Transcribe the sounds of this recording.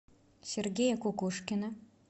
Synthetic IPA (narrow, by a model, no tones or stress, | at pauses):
sʲerɡʲejakʰʷukʷuʂkʲɪna